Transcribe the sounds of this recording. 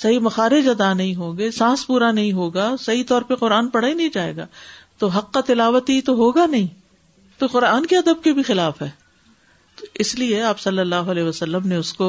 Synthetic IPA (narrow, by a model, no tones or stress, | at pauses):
sɐɦimɐxaːɾed͡ʒɐd̪anɐɦĩɦoːɡesãːspuːɾanɐɦĩɦoːɡasɐɦit̪ɔːɾpeqʊɾaːnpɐɽ̤aːinɐĩd͡ʒaːḛːɡa̰ːt̪oɦɐqːat̪ɪlaːʋət̪it̪oɦoːɡanɐɦĩː | t̪oqʊɾaːnkeɐd̪əb̚kebʱixɪlaːfɦɛː | t̪oɪslieaːpsɐlːəlːaːɦoɐlɛːɦʋɐsɐlːəmneʊsko